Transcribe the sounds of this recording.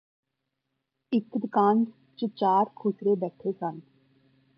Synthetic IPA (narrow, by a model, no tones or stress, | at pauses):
ɪkːd̪kãːnd͡ʒ | t͡ʃət͡ʃaːɾkʰoːsɾeːbɛːʈʰeːsən